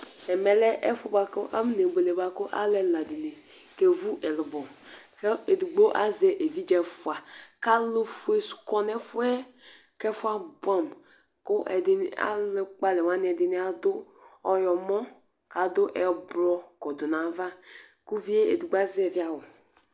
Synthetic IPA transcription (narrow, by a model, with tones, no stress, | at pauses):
ɛ˨mɛ˨lɛ˦ʔɛ˦fʊ˦ba˨kʊ˦ʔa̰˦m˦ne˨be˨le˨ba˦kʊ˦ʔa̰˦lɛ˨la˨di˨ne˨ | ke˦vu˦ʔɛ˨lɪ˨bɔ˨kɛ˦e˨du˨ɡ͡bo˦ʔa˦zɛ˨ʔe˨vi˦d͡ʒɛ˨fʊ˨a˨ka˦lʊ˦fu˦e˨su̥˨kɔ˦nɛ˦fʊ˦ɛ˦ | kɛ˦fʊ˦a˦ba˨m | kʊ˦ʔɛ˨dɪ˨n˦a̰˦lɪ˦k͡pa˦lɛ˨wa˦n˦ɛ˨dɪ˨ni˦a˨d̪ʊ˦ | ɔ˦jɔ˨mɔ˦ | ka˨d̪ʊ˦ʔɛ˨bɾɔ˦kɔ˨dʊ˨na˨va˦ku˦vi˦e˦ḛ˨du˨ɡ͡ba˦zɛ˨vi˦a˨wo˨